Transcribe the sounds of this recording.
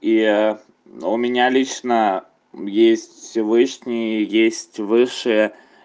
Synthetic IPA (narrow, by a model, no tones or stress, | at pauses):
i | ʊmʲɪnʲalʲit͡ɕnə | jesʲtʲfsʲɪvɨʂnʲɪjjesʲtʲvɨʂɨjə